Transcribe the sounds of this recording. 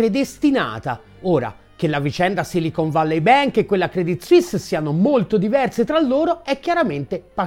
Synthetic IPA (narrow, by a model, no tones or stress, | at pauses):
ɾed̪est̪ina̰ːt̪a̰ | oːɾa̰ | k̟elːavit͡ʃɛnd̪asilikoɱvalːejbɛŋk̟ekːwelːakɾɛd̪it̪swissiːanomolt̪od̪ivɛrset̪ɾalːoːɾoɛkjaɾament̪epa